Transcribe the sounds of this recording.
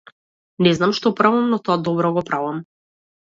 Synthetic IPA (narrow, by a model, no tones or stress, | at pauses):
nɛznamʃt̪ɔpɾavamnɔt̪ɔad̪ɔbɾɔɡɔpɾavam